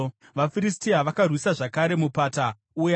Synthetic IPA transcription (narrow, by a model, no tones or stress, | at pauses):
ʋafiristiaʋakarwisaʐakaɾe̞mupata | uja